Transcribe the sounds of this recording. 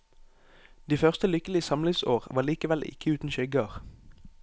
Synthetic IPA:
d̪iːfœʁst̪əlʏkəlɪsɑmlɪŋsoːʁʋɑːʁliːkəʋɛlʔɪ̰kʰəʉːt̪n̩ʃœɡɑːʁ

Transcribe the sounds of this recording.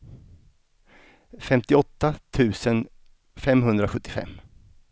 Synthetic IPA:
fɛmt̪ɪɔt̪ːat̪ʰʉ̟ːsən | fɛmɦɵnd̪ɾaɧɵt̪ːɪfɛ̰mː

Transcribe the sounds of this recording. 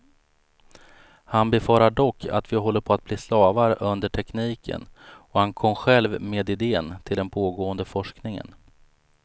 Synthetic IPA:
hanbɛfɑːɾaɖɔkːa̰t̪vɪɦɔlːəɾpʰɔat̪̚bliːslɑːvaɾəʔɵnd̪əʈʰɛkniːkʰə̰nɔhankʰɔmːɧɛlvmeːd̪ɪd̪eːənt̪ʰɪld̪ɛnpʰoːɡoːənd̪əfɔʂknɪŋə̰n

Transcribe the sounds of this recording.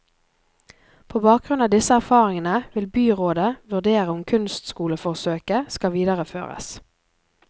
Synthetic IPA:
pʰoːbɑːk̚ɡ̥ʁʉnɑːd̪ɪsəæʁfɑːʁɪŋənəʋɪlbyːʁoːd̪əʋʉʁd̪eːʁəʊmkʰʉnst̪skuːləfɔʁsøːkəskɑʋiːd̪əʁəfø̰ːʁə̰s

